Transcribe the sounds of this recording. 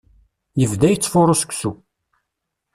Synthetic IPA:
jəvðæjət͡sːfoɾˤosə̥kʷsu

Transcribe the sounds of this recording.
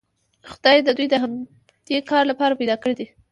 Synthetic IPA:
xʊd̪ɑjd̪əd̪ujd̪əɦam | d̪̥ekɑɾlapɑɾapajd̪ɑkəɽed̪i

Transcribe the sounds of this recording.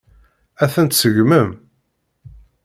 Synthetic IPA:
æθənt̪səʝməm

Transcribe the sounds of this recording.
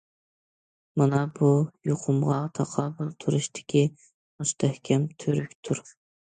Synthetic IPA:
mɑnɑbujoqʰʊmʁɑt̪ʰɑqʰɑːbɨlˠt̪ʰuɾuʃt̪ʰɪ̥kʲʰi | must̪ʰɛhkʲʰɛmt̪ʰøɾykʲt̪ʰuɾ

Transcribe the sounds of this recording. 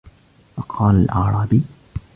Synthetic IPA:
fɑqʰɑːlalʔaːɾˤɑːbi

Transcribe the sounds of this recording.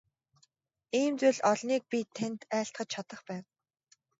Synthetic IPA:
iːmt͡sʊɮɔɮniːk̚pʲit̪ʰːent̪æːɬt̪χə̆t͡ɕt͡ɕʰat̪ə̆χpæːn

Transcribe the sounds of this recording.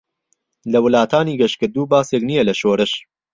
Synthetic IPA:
lɐwɨlaːt̪ʰaːniːɡɐʃkɨɾd̪uːbaːseːknijɛlɐʃoːɾɨʃ

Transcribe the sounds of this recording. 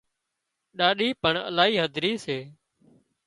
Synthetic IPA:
ɗaːɗiːpəɳə̰laːiːɦəd̪ʱɾiːseː

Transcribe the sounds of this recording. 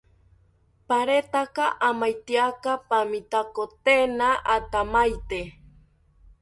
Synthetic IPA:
paɾet̪akaʔamajt̪iakapamit̪akot̪enaʔat̪amajt̪e

